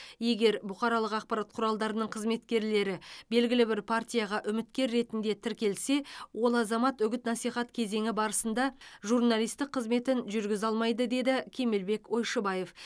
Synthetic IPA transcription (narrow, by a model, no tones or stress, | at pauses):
je̞ɡʲe̞ɾbʊqɑɾɑlˠəqɑq̚pɑɾat̪̚qʰʊɾɑlˠd̪ɑɾənəɴqʰəzme̞t̪kʲe̞ɾle̞ɾɪbe̞lɡʲɪlɪbɪɾpʰart̪ʲijɑʁɑʔʏmɪt̪kʲe̞ɾːe̞t̪ɪnd̪e̞t̪ʰɪɾkʲe̞lse̞wo̞lˠɑzɑmɑt̪ʏɡʲɪt̪nɑsijχɑt̪kʲʰe̞ze̞ŋʲɪbɑɾəsənd̪ɑʒurnalijst̪ɪqʰːəzme̞t̪ɪnʒʏɾɡʲɪzɑlˠmɑjd̪əd̪e̞d̪ɪkʲʰe̞melbe̞kʲo̞jʃəbɑje̞f